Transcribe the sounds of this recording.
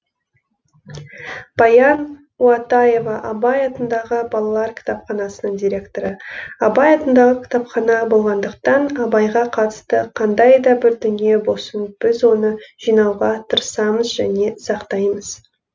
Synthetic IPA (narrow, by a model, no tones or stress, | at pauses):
b̥ɑjɑn | wɑt̪ɑje̞vɑʔɑbɑjɑt̪ənd̪ɑʁəbɑlˠɑlˠɑɾkʲʰɪ̥t̪ɑpχɑnɑsənəɴd̪ʲijɾʲe̞kt̪o̞ɾəɑbɑjɑt̪ənd̪ɑʁəkʲʰɪ̥t̪ɑpχɑnɑbo̞lˠʁɑnd̪əqt̪ɑnɑbɑjʁɑqʰɑt̪ə̥st̪əqʰɑnd̪ɑjd̪ɑbɪɾd̪ʏnije̞bo̞sənb̥ɪzwo̞nəʒ̥ijnɑwʁɑt̪ʰəɾəsɑməzʒæne̞sɑqt̪ɑjməz̥